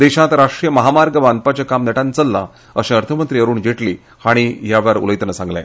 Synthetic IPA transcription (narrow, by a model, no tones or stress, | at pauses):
d̪eɕãt̪ɾaʂʈɾijəməɦamaɾɡəʋand̪̚pat͡ɕjakamnəʈãnt͡səlːa̰ | əɕẽəɾt̪ʰəmənt̪ɾiəɾuːɳd͡ʑeʈli | haɽ̃iɦjaʋəɾṵləjt̪nəsãŋɡlɛ̰̃